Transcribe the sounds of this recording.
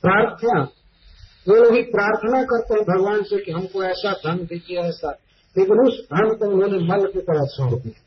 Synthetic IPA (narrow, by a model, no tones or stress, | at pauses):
pɾaːɾt̪ʰəna | ʋelobipɾaːɾt̪ʰənakəɾt̪eɦɛ̃bʱəɡʋaːnsekiɦəmkoɛːsad̪ʱənd̪ekʰiɦɛːsa | eknusd̪ʱənt̪oʊnɦoneməlkekəɾat͡ʃʰəɦot̪iɦɛ